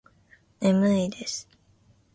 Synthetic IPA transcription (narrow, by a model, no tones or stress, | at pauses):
emɯid̪esɨ̥